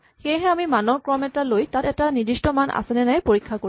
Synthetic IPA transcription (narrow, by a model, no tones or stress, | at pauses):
xejɦɛamimanɔkɹɔmɛtalojtatɛtanidɹistɔmanʔa̰sɛnɛnajpoɹikʰːakoɹi